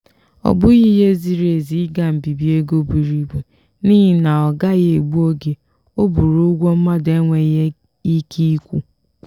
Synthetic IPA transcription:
ɔ̰˨bʊ˦ɣi˦ɦe˦zi˨ɾe˨zi˨˦ɡa˨m̩˨bi˨bi˦e˦ɡo˦bu˨ɾi˦˨be˨ | ni˦ɦi˦na˨ɔ˨ɡa˦ɣe˨e˨ɡ͡bu˦o˦ɡe˨ | o˦bu˨ɾu˦ɡʷo˦m̩˦ma˦de˦ŋʷe˨je˦ | i˦kʰi˦i˦kʷu˦

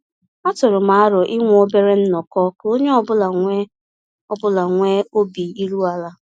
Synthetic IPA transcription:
a˦tʊ˨ɾʊ˨ma˨a˦ɾʊ˨ʔɪ˦ŋʷ˦o˦be˦ɾe˦n̩˦nɔ˨kɔ˦ko˦ɲe˦ɔ˦˨bʊ˦la˨ŋʷe˦ | ɔ˦bʊ˦la˨ŋʷe˦o˦bi˨i˦ɾu˦a˦la˦

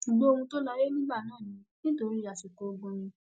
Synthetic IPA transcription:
ʃu˨ɡ͡bo˦o˧hũ˧to˦la˦ɾe˦nĩ˦ɡ͡ba˦˨nãː˦˨nĩ˧ | nĩ˦to˧˦ɾi˦a˨ʃi˨ko˨o˧ɡũ˧nĩ˧

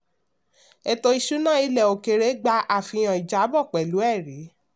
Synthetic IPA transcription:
ɛ˧˨to˧i˧ʃu˨˦nã˦i˧lɛ˨o˨ke˨ɾe˨˦ɡ͡ba˧ʔa˦˨fĩ˧j̃ã˨i˨d͡ʒa˨˦bɔ˦˨k͡pɛ˨lu˨˦ɛ˦˨ɾi˨˦

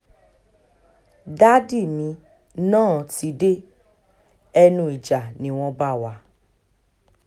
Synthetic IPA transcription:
da˦di˦˨mĩ˧˦ | nãː˦˨ti˧˦de˦ | ɛ˧nũ˦i˨d͡ʒa˨nĩ˨˦w̃ɔ̃˧ba˦˨wa˨˦

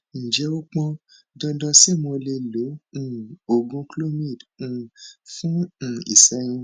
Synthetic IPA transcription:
nĩ˨d͡ʒɛ˨˦o˦k͡pɔ̃˧ | dɔ̃˧dɔ̃˧si˦˨mõ˧le˧lõ˨˦˨ | o˨ɡũ˧klo˦mĩ˦˨d̩̃˦˧˨fũ˦˨ḭ˨sɛ˨˦jĩ˦˧

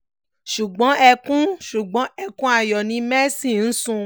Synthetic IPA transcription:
ʃu˨ɡ͡bɔ̃˨˦ɛ˧kũ˦ʃu˨ɡ͡bɔ̃˨˦ɛ˦kũ˦a˦˨jɔ˨nĩ˧˦mɛ˦si˦˨n̩˦sũ˧

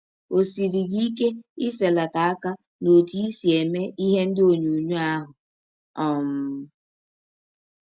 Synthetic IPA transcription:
o˨si˨ɾi˨ɣi˦i˦ke˦ɪ˦se˨la˨ta˨a˦ka˦ | no˨ti˦i˦si˨e˨me˦ʔi˦ɦe˦n̩˦dɪ˦o˨ɲu˨ɲu˦a˦ɦʊ˨ | ɔ˦m̩˦

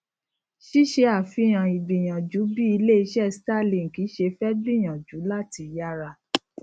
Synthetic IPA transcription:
ʃi˦ʃe˧a˨fi˧˦j̃ã˨i˨bi˨j̃ã˨d͡ʒu˨˦bi˦i˧le˦˧˦ʃɛ˦sta˦˨lĩ˨ŋ̩˨ki˨˦ʃe˧fɛ˦dĩ˦˨j̃ã˨d͡ʒu˨˦la˦˨ti˨˧ja˦ɾa˧˨

